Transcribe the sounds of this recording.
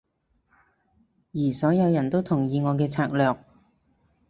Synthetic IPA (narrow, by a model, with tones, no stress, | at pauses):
jiː˨˩sɔː˨˥jɐ˨˧wjɐ˨˩nt̪o˥wt̪ʰʊ˨˩ŋjiː˨˧ŋɔː˨˧k̬ɛː˧t͡sʰaː˧k̚lœː˨k̚